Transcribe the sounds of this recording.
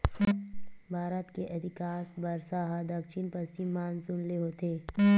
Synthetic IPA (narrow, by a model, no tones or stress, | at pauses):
bʱaːɾət̪keʔɛt̪ɪkaːsbɐɾsaɦad̪ɐkʃʰinpɐɾsimaːnsʊnleɦoːt̪eː